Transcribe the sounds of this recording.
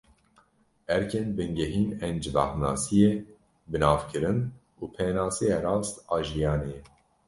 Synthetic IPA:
ɛɾkʰenbɨŋɡɛɦiːnɛnd͡ʒva̰hnɑ̰ːsije | bɨnɑːvkʰɨɾɨn | uːpʰeːnɑːsijeɾɑːst̪ɑːʒijɑːneɛ

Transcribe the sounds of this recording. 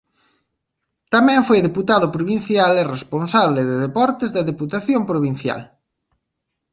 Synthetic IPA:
t̪amɛ̃ɱfojðeput̪aðʊpɾoβin̟θjaleresponsaβlɪðeðepɔɾt̪ɪzðɐðeput̪aθjompɾoβin̟θja̰l

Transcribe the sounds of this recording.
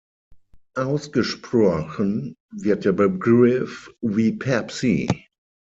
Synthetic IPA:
ʔaʊsɡ̥əʃpʁ̥ɔxənvɪɐt̚d̥eɐbəɡʁɪfviːpʰɛpsḭ

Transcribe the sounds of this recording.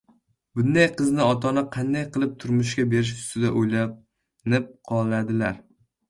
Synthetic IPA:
bʊnd̪ajqʰɨznɪɒt̪ʰɒnɪqʰɑnd̪ajqɨlˠɪp̚t̪ʰʊɾmʊʃ̬kʲabe̞ɾɪʃ̬ʊ̥st̪ɪd̪aʔojla | nɪp̚qʰɒlˠad̪ɪlaɾ

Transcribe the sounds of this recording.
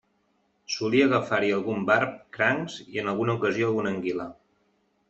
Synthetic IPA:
suliəɣəfaɾiəlˠɣumbaɾp̚kɾaŋz̥iənəlˠɣunəukəzioəlˠɣunəŋɡilə

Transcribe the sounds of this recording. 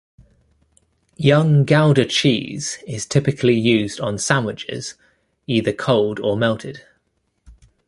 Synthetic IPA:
jʌ̃ŋɡaʊlˠdət͡ʃʰḭːz̥ɪz̥tʰɪpɪkʰəlijʉːzdn̩sãnwɪt͡ʃɪ̰z̥ | iːðəkʰɒʊlˠdəmɛlˠtʰɪd̥

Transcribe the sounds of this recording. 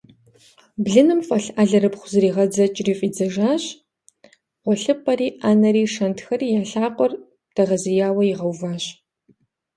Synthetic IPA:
bɮɨnɨmfɐɬaːɮɐɾɨpχʷʊzɨɾiːʁɐd͡zɐt͡ʃʼriːfʼiːd͡zɐʒaːɕʼ | ʁʷɔɬɨpʼɐriːʔaːnɐɾiːʂɐntxɐriːjaːɬaːqʷʼɔr | dʰɐʁɐzijaːwɐjɪʁɐwvaːɕ

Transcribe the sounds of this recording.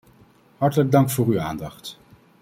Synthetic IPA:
ɦɑɹtələɡ̚dɑŋkfʊːryaːndɑχt

